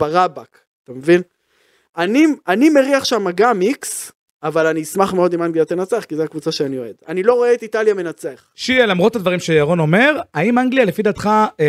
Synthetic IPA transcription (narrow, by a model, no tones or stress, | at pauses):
baʁabak | at̪amevin | anianime̞ʁiaχʃamaɡamiks | avalaniːsmaχmeo̞dimaŋɡlijat̪enat͡seaχkizeakvut͡saʃeanio̞e̞d̥̪a̰nilo̞ʁo̞eetitaljame̞nat͡seaχʃielamʁo̞t̪ad̪vaʁimʃejaʁo̞no̞me̞ʁaimaŋɡlialefidat̪χa